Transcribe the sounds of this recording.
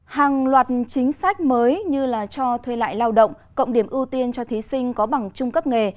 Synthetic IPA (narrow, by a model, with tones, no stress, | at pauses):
haː˨˩ŋlwaː˨˩t̚t͡ɕï˨˦ŋ̟sa˦˥jk̟̚məː˨˦jɲɨ˧laː˨˩t͡ɕɔ˧t̪ʰwe˧la̰ː˧˨jlaː˧wɗə̰˧˨wŋ͡m | kə̰˧˨wŋ͡mɗi˧˩əmʔɨ˧t̪i˧ənt͡ɕɔ˧t̪ʰi˨˦sï˧ŋ̟kɔ˨˦ɓa˨˩ŋt͡ɕʊ˧ŋ͡mkə˦˥p̚ŋe˨˩